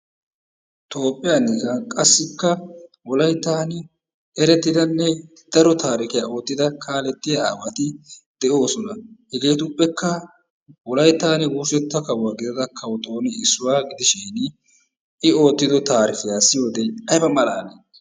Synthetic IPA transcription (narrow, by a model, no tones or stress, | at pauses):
t̪o̞ːpʼːɪjanːɪkɐkʼɐsːɪkːɐ | wɔlɐjt̪ːaːn | ɛɾɛt̪ːɪd̪ɐnːɛ | d̪̥ɐɾɔt̪aːɾɪkɪjao̞ːt̪ːɪd̪ɐkʰaːlɛt̪ːɪjɐawɐt̪ɪd̪̥ɛʔo̞ːsɔnɐhɛɡe̞ːt̪ʊpʼːɛkːɐ | wɔlɐjt̪ːaːnɛwuːsɛt̪ːɐkɐwaːɡɪd̪ɐd̪ɐkʰɐwɔt̪o̞ːnɛɪsːʊwaːɡɪd̪ɪʃɪn | ɪo̞ːt̪ːɪd̪ɔt̪aːɾɪfɪjaːsɪjo̞ːd̪eɐjbɐmɐlaːle